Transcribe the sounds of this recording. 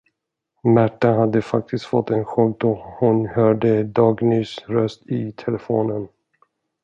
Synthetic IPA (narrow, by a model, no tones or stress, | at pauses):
mæʈːaɦad̪ːəfak̚t̪ɪst̪fɔt̪ːɛnɧɔɡd̪ɔhʊnhœːɖəd̪ɑːɡnyːsɾœst̪ɪt̪ʰɛlɛfoːnən